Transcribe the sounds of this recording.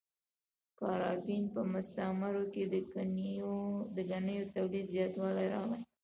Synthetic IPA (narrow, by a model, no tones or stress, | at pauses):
kɑɾɑpinpəmʊst̪amaɾoked̪ənod̪əɡanəjot̪awlid̪zjɑt̪wɑlajɾɑɣaj